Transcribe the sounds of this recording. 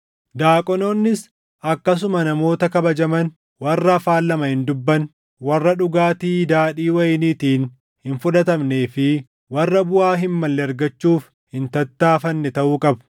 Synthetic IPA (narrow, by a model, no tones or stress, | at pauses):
d̪aːkʼɔnoːnːɪs | ʔɐkːɐs̬ʊmɐnɐmo̞ːt̪ɐkɐbɐd͡ʒɐmɐn | wɐrːɐːfaːlːɐmɐhɪnd̪ʊbːɐn | wɐrːɐᶑʊɡaːt̪iːd̪aːᶑiːwɐjniːt̪iːn | hɪnfʊᶑɐt̪ɐmne̞ːfɪ | wɐrːɐbʊʔaːɦɪnmɐlːɛɐɾɡɐt͡ʃːuːf | hɪnt̪ɐt̪ːaːfɐnːɛt̪ɐʔuːkʼɐb